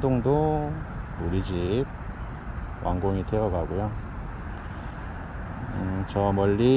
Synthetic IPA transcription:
doŋdo | uɾid͡ʑip̚ | wʔa̰ŋɡoŋitʰeʌɡaɡujo | ɯt͡ɕʌmʌʎːi

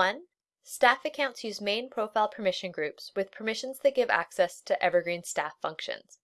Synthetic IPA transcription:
ʌ̃n | stæfɨkʰãʊ̃ntsjʉzmẽɪ̃npʰɹ̥oʊfaɪlˠpʰə˞mɪʃɨ̃nɡɹʉpswɨð̥pʰə˞mɪʃɨ̃n̩z̥ðɨt̚ɡ̥ɪvæ̰ksɛstʰɨʔɛvə˞ɡɹĩnstæfʌ̰̃ŋkʃɨ̰̃nz̥

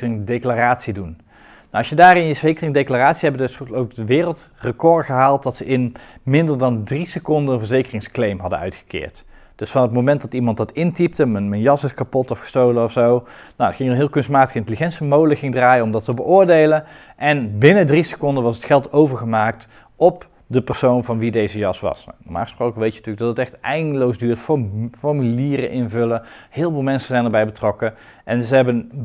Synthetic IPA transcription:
ɪŋdejklaraːtsidun | nawɑsjədaːrɪnjəszejkərɪŋdejklaraːtsiɦɛbədɵsowk̚dəʋɪːrəlˠt | rəkɔɹχəɦaːlˠtdɑtsəʔɪnmɪndəɹdɑndrisəkɔndəənvəɹzejkərɪŋsklejmɦɑdə̰œ̰ɥtχə̥kɪ̰ːɹt | d̥ɵsfɑnətmowmɛntdɑtimɑntdɑtɪntip̚təmənmənjɑsɪskapɔtɔfχə̥stowlənɔfsow | nawətχɪŋənɦɪːlˠkɵnst̚maːtəχɪntəliχɛntsimowdləχɪŋdraːjəɔmdɑtəbəʔʊːɹdejlənʔɛnbɪnədrisə̥kɔndənʋɑsətχɛlˠtowvəɹχəmaːk̚t | ʔɔp | dəpərsownvɑnʋidejzəjɑsʋɑ̰snɔma̰ːxəsprowkəʋejtənətyːləɡ̚dɑtətɛχtɛjndəlowzdyːɹtffɔɹmyliːrə̰ʔɪnvɵləhɪːlˠvoːlˠmɛnsəzɛjndəɹbɛjbətrɔkə | ʔɛnzəɦɛbən

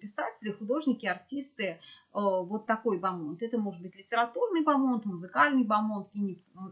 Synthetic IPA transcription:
pʲɪsatʲɪlʲɪxʊd̪o̞ʐnʲɪkʲɪɐrtʲist̪ɨəvo̞t̪ːɐko̞jbɐmo̞nt̪ɛt̪əmo̞ʐɨd̪̚bɨtʲlʲɪtʲɪɾɐt̪urnɨjbɐmo̞nt̪mʊzɨkalʲnɨjbɐmo̞nt̪kʲinʲɪ

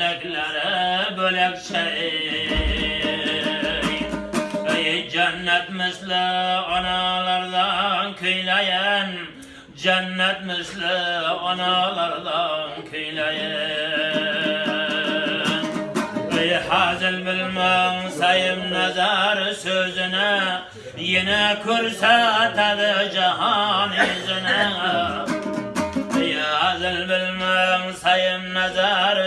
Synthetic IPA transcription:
akʲlaɾɪbølakt͡ʃʰa | j | jd͡ʒanːat̪mɪzlɪɑnɑlˠɑɾd̪ɑnkʲʰɵjlajan | d͡ʒanːat̪̚mɪzlɪɑnɑlˠɑɾd̪ɑnkʰɵjlajɪ | nejhazɪlbɪlmaŋsajɪmnazaɾsøzɪnɪ | jenakʲʰɵɾsat̪ʰad̪ɪd͡ʒaɦɑnɪzɪna | ejhazɪlbɪlmæŋsajɪmnazaɾ

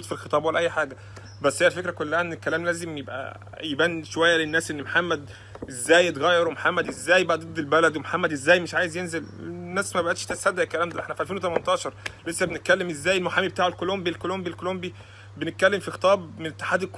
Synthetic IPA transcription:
uːd̪filxet̪ˤɑːbwelæʔæjːħaːɡæ | bæsːhæjːælfekɾækolːæhæʔenːelkːælæːmlæːzemjebʔæ̰ | jebænʃowæjːælenːæːsʔenːmoħamːæd̪̚ | ʔezːæːjet̪ɣæjːɑɾumoħamːæd̪ʔezːæːjbæʔæd̪ˤed̪ˤːelbælæd̪wemoħamːæd̪ʔezːæːjmeʃʕaːjezjenzelḛnːæːsmæbæʔæt̪ʃt̪æsæd̪ːæʔekːælæːmd̪æʔḛħnæfiʔælfeːnwet̪æmænt̪ˤɑːʃɑɾˤlesːæbenet̪̚kælːemʔezːæːjelmoħaːmibet̪aːʕelkolombilkolombilkolombi | benet̪̚kælːemfixe̥t̪ˤɑːbmenet̪ːe̥ħaːd̪elk

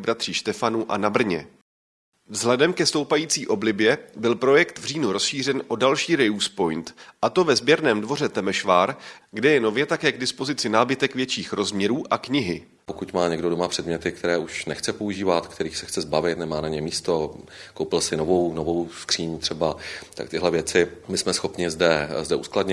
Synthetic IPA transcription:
bɾat̪r̥iːʃt̪ɛfanuʔa̰nabr̩ɲɛ | vzɦlɛdɛmkɛst̪o̞wpajiːt͡siːʔo̞blɪbjɛbɪlpɾo̞jɛkt̪vr̝iːnuɾo̞sʃiːr̝ɛnʔo̞dalʃiːɾɛjuspo̞jnt̪ʔat̪o̞vɛzbjɛɾnɛːmdvo̞r̝ɛt̪ɛmɛʃvaːɾɡdɛjɛno̞vjɛt̪akɛːɡ̚dɪspo̞zɪt͡sɪnaːbɪt̪ɛkvjɛt͡ʃiːxɾo̞zmɲɛɾuːʔakɲɪɦɪ | pokucmaːɲɛɡdo̞domapr̥ɛdmɲɛt̪ɪk̚t̪ɛɾɛːʔuʃnɛxt͡sɛpo̞uʒiːvat̪kt̪ɛɾiːxsɛxt͡sɛzbavɪt̪nɛmaːnaɲɛmiːst̪o̞kowpɪlsɪnovownovowskr̥iːɲt̪r̝̥ɛbat̪a̰kt̪ɪɦlɛvjɛt͡sɪmɪsmɛsxo̞pɲɪzdɛzdɛʔuskladɲɛ

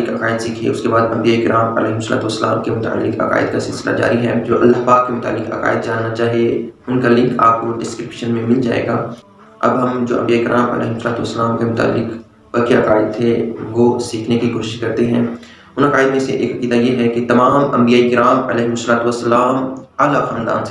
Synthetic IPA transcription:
kɐkaːɪd̪siːkʰḛʊskebaːd̪ɐ̃mbijaːikɪɾaːmɐ̰lɛːɦɪmsəla̰ːt̪uʋəsːəla̰ːmkemʊt̪a̰ə̰lːɪkɐ̰ka̰ːɪd̪kasɪlsɪla̰d͡ʒa̰ːɾiɦɛːd͡ʒoːʔɐlːaɦpaːkːemʊt̪a̰ːlːɪkɐ̰ka̰ːɪd̪d͡ʒaːnːat͡ʃaːɦijeʊnkalɪ̃ŋkaːp̚koɖɪskɾɪpʃənmẽmɪld͡ʒa̰ːḛːɡaː | ɐ̰bɦɐmd͡ʒo̰ːʔɐ̰̃mbiaːikɪɾʔaːmɐ̰lɛ̰ːɦɪmsəlaːt̪uʋəsːəlaːmkemʊt̪a̰ːlːɪk | ɐkiɐkaːɪd̪̚t̪ʰeʋosiːkʰnekikoːʃɪʃkɐɾt̪eɦɛ̃ː | ʊnɐkaːɪd̪mẽsḛʔḛːkɐkiːd̪ajeɦɛkit̪ɐmaːmɐ̰̃mbijaːikɪɾaːmɐlɛːɦɪmʊsːəlaːt̪uwɐsːɐlaːmaːlaxãːnd̪a̰ːnse

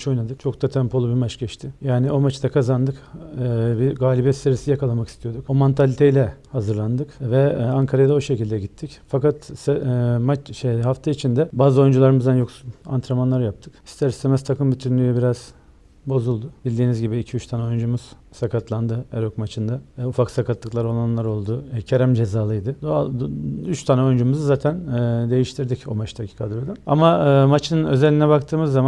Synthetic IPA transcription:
t͡ʃo̞jnad̪ɯkt͡ʃʰo̞kt̪at̪ʰɛmpʰo̞lˠubimat͡ʃɟɛt͡ʃt̪ʰɪjaːnio̞mat͡ʃd̪ʰakʰazand̪ɯkː | biɡaːlʲibɛst̪eɾisijakʰalˠamaki̥st̪ʰijo̞d̪ukomant̪ʰalʲit̪ʰejlʲɛhazɯɾlˠand̪ɯkvɛaŋkʰaɾajd̪ao̞ʃe̞cilʲd̪ɛɟit̪ʰːicfakat̪sɛmat͡ʃʃejɦaft̪ʰait͡ʃʰind̪ɛbaːzɯo̞jund͡ʒulˠaɾɯmɯzd̪anjo̞ksuna̰nt̪ʰɾamanlˠaɾjap̚t̪ʰɯki̥st̪ʰɛɾsɛmɛst̪ʰakɯmbyt̪ʰynlʲyjɛbiɾaz̥ | bo̞zulˠd̪ʊbilʲd̪iːnizɟibiːcʰiyt͡ʃt̪ʰanɛo̞jund͡ʒumuz̥sakat̪lˠand̪ɯɛɾokmat͡ʃʰɯnd̪aufaksakʰat̪lˠɯklˠaɾo̞lˠanlˠaɾo̞lˠd̪ucʰeɾæmd͡ʒe̞zaːlˠɯjd̪ɯd̪oayt͡ʃt̪ʰanɛo̞jund͡ʒumuzɯzaːt̪ʰænːd̪e̞jiʃt̪ʰiɾd̪ico̞̰mat͡ʃt̪ʰacʰi̥kʰad̪ɯɾod̪aa̰maɯːmat͡ʃʰɯnɯnø̞zelʲinɛbakt̪ʰɯːmɯzːaman

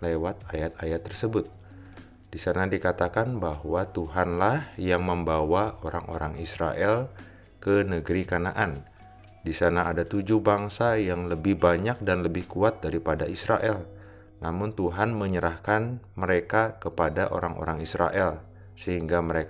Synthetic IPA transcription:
lewat̪̚ajat̪̚ajat̪ːərsəbʊt̪̚ | disanadikat̪akanbaɦwat̪uɦanlahjaŋməmbawaoɾaŋo̰ɾaŋisɾa̰ʔɛl | kənəɡəɾikana̰ʔan | disanaːdat̪ud͡ʒʊhbaŋsajaŋləbɪhbaɲak̚danləbɪhkuat̪̚daɾipadaisɾaʔɛl | namʊnt̪uɦanməɲəɾahkanməɾekakəpadaʔo̰ɾaŋʔo̰ɾaŋisɾa̰ʔɛl | səɦiŋɡaməɾek

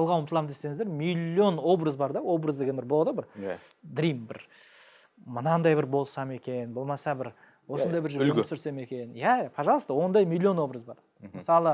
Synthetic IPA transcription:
ɑlˠʁɑnwəmət̪əlˠɑmd̪e̞se̞ŋɪzd̪eɾmilʲio̞no̞brəzbɑɾd̪ɑwo̞brəzd̪eɡʲe̞nbɪɾbo̞lˠd̪əbɪɾ | d̪ɾijmbɪɾ | mənɑnd̪ɑjbɪɾbo̞lˠsɑme̞kʲe̞nbo̞lˠmɑsɑbɪɾ | wo̞sənd̪ɑjbɪɾʒʏɾsʏɾse̞me̞kʲe̞njæpʰɑʒɑlˠəst̪əwo̞nd̪ɑjmilʲˠːio̞nwo̞brəzbɑɾ | məsɑlˠə

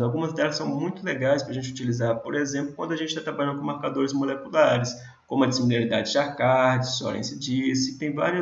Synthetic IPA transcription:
awɡũmɐzd̪ɛlɐsːɐ̃w̃mũj̃t̪ʊleɡajspɾɐʒẽnt͡ʃut͡ʃilizaɾpoɾezẽmplʊkwɐ̃nd̪ʊɐʒẽtt͡ʃɪ̥t̪at̪ɾabaʎ̃d̪ʊkõmaɾkad̪oɾɪzmolekulaɾɪs | kõmʊɐd͡ʒɪsimilaɾid̪ad͡ʒɪd͡ʒaɾkaɾd͡ʒɪsɔ̰ɾḛ̃sɪd͡ʒisɪt̪ẽj̃va̰ɾi

